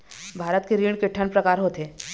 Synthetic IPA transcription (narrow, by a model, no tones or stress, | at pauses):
bʱaːɾət̪keɾiːɽ̃kɪʈʰːənpɾɐkaːɾɦot̪eː